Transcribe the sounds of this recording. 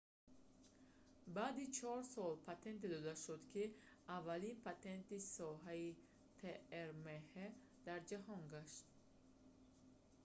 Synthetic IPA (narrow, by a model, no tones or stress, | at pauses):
baːd̪it͡ʃʰɔɾsɔlpʰat̪ʰent̪d̪ɔd̪aʃud̪kʰi | avːalinpʰat̪e̞nt̪isɔɦai | t̪ʰeeɾmehe | d̪̥aɾd͡ʒaɦɔŋɡaʃt̪